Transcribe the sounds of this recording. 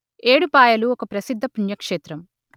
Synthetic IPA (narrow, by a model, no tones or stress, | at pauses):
e̞ːɽupaːjɐluɔkɐpɾɐsid̪ʱːɐpuɳjɐkʂeːt̪ɾɐm